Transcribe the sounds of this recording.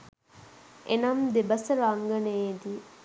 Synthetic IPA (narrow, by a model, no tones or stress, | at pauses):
enamd̪ebəsəɾaŋɡənəed̪i